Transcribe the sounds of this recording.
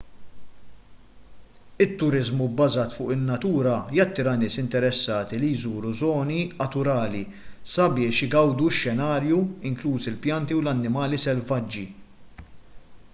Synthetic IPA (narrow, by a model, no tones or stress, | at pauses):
ɪt̪ːʊɾɪzmubːɐzɐːt̪fʊ̰ːʔɪnːɐt̪uːɾɐjɐt̪ːɪːɾɐnɪːsɪnt̪ɛɾɛsːɐːt̪ilijzuːɾuzɔːniɐt̪ʊɾɐːli | sɐbɪːʃjɪɡɐwd̪uʃːɛnɐːɾjuɪŋkluːsɪlpjɐnt̪iwlɐnːɪmɐːlisɛlvɐd͡ʒːi